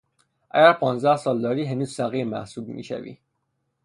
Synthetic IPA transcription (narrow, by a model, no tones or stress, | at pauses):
ʔæ̰ɡæɾpʰɑːnzd̪æhsɒːld̪ɒːɾiːɦenuːz̥sæɣiːɾmæ̰hsuːbmḭːʃæ̰vḭ